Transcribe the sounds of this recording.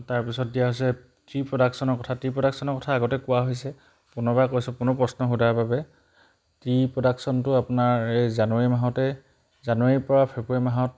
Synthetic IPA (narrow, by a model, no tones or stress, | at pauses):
taɹpisɔt̚dijaɦojsɛ | tɹipɹɔdaksɔnɔɹkɔtʰatɹipɹɔdaksɔnɔɹkɔtʰaːɡɔtɛkʊwaɦojsɛ | pʊnɔbakojsɛpʊnɔpɹɔsnɔxudababɛ | tɹipɹɔdaksɔntʊapʊnaɹejzanuaɹimaɦɔtɛ | zanuaɹipɔɹapʰepimaɦɔt̚